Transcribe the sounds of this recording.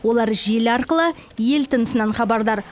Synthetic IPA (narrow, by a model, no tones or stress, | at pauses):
wo̞lˠɑɾʒe̞lɑɾqəlˠəje̞lt̪ʰənəsənɑnχɑbɑɾd̪ɑɾ